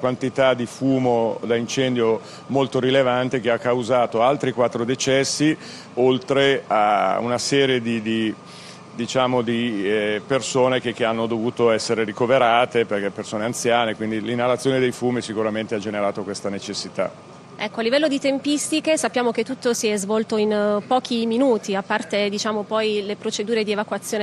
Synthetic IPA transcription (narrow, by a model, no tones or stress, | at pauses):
kwant̪it̪ad̪ifuːmod̪aint͡ʃɛnd̪jo | molt̪oɾilevant̪ek̟eakːawzaːt̪oalt̪ɾikwat̪ːɾod̪et͡ʃɛsːi | olt̪ɾea̰ṵnasɛːɾjed̪id̪i | d̪it͡ʃaːmod̪ipersoːnek̟ek̟ːeanːod̪ovuːt̪oɛsːeɾeɾikoveɾaːt̪eperk̟ɛpːersoːneant̪sjaːnekwind̪ilinːalat̪sːjoːned̪ejfuːmisikuɾament̪ead͡ʒeneɾaːt̪okwest̪anet͡ʃesːit̪a̰ | ɛkːoalːivɛlːod̪it̪empist̪ikesapːjaːmok̟et̪ːut̪ːosiɛzvɔlt̪oinpɔːk̟iminuːt̪iapːart̪ed̪it͡ʃaːmopɔjlepɾot͡ʃed̪uːɾed̪ievakwat̪sːjoːn